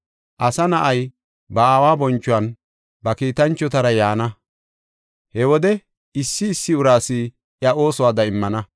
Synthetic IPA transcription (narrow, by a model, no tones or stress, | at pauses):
ʔɐsɐnɐʔɐj | bɐaːwaːbɔnt͡ʃːʊwɐn | bɐkiːt̪ɐnt͡ʃːɔt̪ɐɾɐjaːnɐ | hɛwɔd̪ɛ | ɪsːɪːsːɪʊɾaːsiː | ʔjɐʔo̞ːsɔwaːd̪ɐɪmːɐnɐ